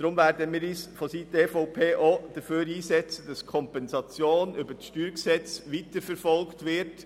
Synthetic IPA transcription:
d̥ɾʊmʋæɾdəmiːɾiːsfositeːfɔʊpʰeːʔod̥əføːɾiːsɛt͡səd̥ɑskʰɔmpɛnsɑt͡sjoːnʏbəsʃtyːɾksɛt͡sʋit̪əɾfɛɾfɔlktʋɪɾt

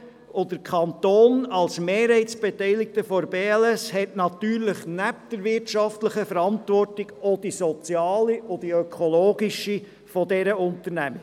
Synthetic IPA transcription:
odəɾkʰχɑnt̪oːnɑlsmeːɾhɛɪtsb̥etɛɪlɪk̚təfɔɾbeːɛlɛshɛtnɑt̪yːɾləχnæp̚d̥̪əɾʋɪrtʃɑftləχəfəɾɑntvɔrtɪɡ̥od̥isɔt͡sjɑːliʔod̥iøkʰɔloːɡiʃi | fɔdɛɾəʊnt̪əɾnæmə

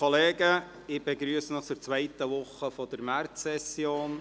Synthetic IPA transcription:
oleːɡə | ɪb̥ɛɡɾyəsənɔχt͡suɾt͡sʋaɪt̪əʋʊχːəfɔd̥̪əɾmært͡sːɛsjoːn

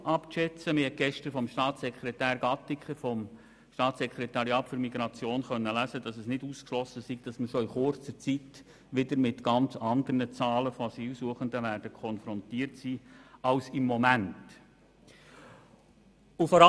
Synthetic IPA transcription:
ʔɑpʃɛt͡səmɪɾhɛt̚ɡ̥ɛʃtəɾfɔmʃtɑːtsɛkʰχɾɛtæːɾɡɑt̪ːikχəfɔm | ʃtɑːtsɛkɾɛtɑɾjɑːtfʏɾmiɡɾɑt͡sjoːnχœnːəlæzəd̥ɑsɛsnɪduːskʃlɔsəsiɡ̚d̥ɑsməɾʃɔɪχʊɾt͡səɾt͡sit | ʋɪdəɾmɪtɡ̥ɑnt͡sɑnd̪əɾnət͡sɑːləfoɑsiːlsuəχəndəʋæɾd̥əkʰɔnfɾɔntiːrtsiːɑlsɪmːɔmænt | ufɔɾɑ

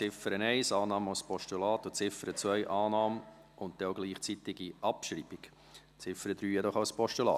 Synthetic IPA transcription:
t͡sɪfəɾənɛɪsɑːnɑːməaʊspʰɔʃtulɑːt̪ʊt͡sɪfəɾət͡svœʏʔɑːnɑːmə | ʊnt̚d̥ɛoɡliːχt͡sit̪ɪɡiɑpʃɾiːbik | t͡sɪfəɾəd̥̪ɾyːjɛdɔχaʊspɔʃtulɑ̰ː

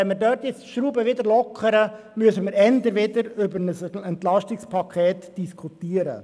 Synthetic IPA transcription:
ɛnmədøːɾt̪jɪt͡stʃɾuːbəʋɪd̪əɾlɔkʰəɾə | myəsəməɾɛndəɾʋɪd̪əɾʏbəɾnəsɛntlɑʃtɪkspʰɑkʰχeːtd̥iskʰutiːəɾə̰

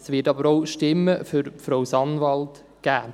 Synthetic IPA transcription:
sʋɪːtɑbəɾoʊʃtɪmːəfʏɾfɾɔwsɑnvɑlt | ɡ̥æː

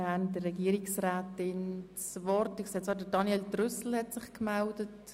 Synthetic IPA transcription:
ændəːɛɡiːɾiksraːtɪn | svɔɾtəkseːt͡sɑːdədɑnjɛldrʏsl̩hɛtsɪχkmældət

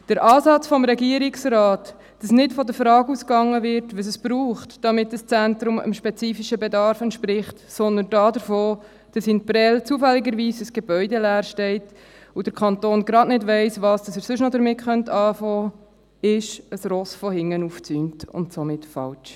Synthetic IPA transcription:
d̥əɾʔɑːsɑt͡sfɔmɾɛɡiəɾɪksrɑːtː | ɑsnɪtfɔdəɾfɾɑːɡuskɑŋːəvɪɾtʋəs̬əsb̥ɾuːχtd̥ɑmɪtdəst͡sæntɾʊmə̰mʃpɛt͡siːfiʃəbɛdɑɾfɛntʃpɾɪχtsɔnd̪əndɑːdəɾfoː | d̥ɑsinpɾɛlt͡suəfælːɪɡəɾʋiːsəsɡ̥eb̥œʏdɛlæːɾʃtɛɪt | ud̥əɾkʰɑntoːnɡɾɑdnɪdʋɛɪsʋɑːsd̥ɑsəɾsʏʃnɔdəɾmɪtχœntʰɑːfɔː | ɪʃəsɾɔsfɔhɪŋːənuft͡syːntʊ̰ntsomɪtfɑ̰lt͡ʃ

